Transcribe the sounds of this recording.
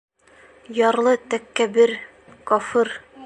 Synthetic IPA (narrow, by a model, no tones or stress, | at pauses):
jɒɾlˠɤt̪ækːæbɘɾ | kɒfɤɾ